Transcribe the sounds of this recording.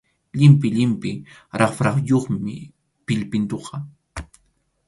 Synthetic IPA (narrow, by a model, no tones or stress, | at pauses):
ʎɪmpɪʎɪmpɪɾɑχfɾɑχjoχmɪ̰ | pɪʎpɪnt̪oqʰɑ